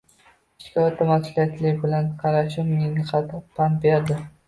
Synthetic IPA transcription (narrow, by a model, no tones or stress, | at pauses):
ɪʃkʲɒt̪ʰːamasʊlijat̪ʰlɪbɪlanqʰɑɾaʃɪmnɪnɪqʰɑt̪ɪpʰanbeɾd̪ɪ